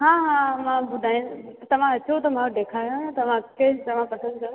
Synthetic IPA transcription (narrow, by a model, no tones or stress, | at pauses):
ɦãːɦãːmãbʊd̪ʱaːĩt̪ɐʋ̤ãɐt͡ɕʰot̪ɐmãoɖeːkʰaːjõnt̪ɐʋ̤ãkɐt̪ɐʋ̤ãpɐsə̃nd̪kɐj